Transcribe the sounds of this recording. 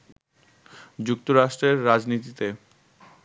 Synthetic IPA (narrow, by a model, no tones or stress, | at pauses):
d͡ʑuk̚t̪oɾaʃʈɾeɾːad͡ʑnit̪it̪e